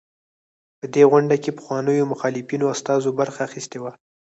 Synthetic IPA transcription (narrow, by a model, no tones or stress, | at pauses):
pəd̪eɣʷʊɳɖakepə̥xwɑnəjomʊxɑlɪfinoast̪ɑzobaɾxaːxist̪ewa